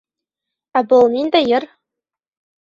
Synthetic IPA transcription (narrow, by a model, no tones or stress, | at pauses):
æbɤ̆lˠnʲind̪æjɘ̆r